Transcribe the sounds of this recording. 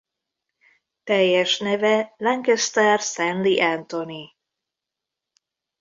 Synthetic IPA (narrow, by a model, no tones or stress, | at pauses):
t̪ɛjːɛʃnɛvɛlɛŋkɛst̪ɛrsɛnliʔɛnt̪oni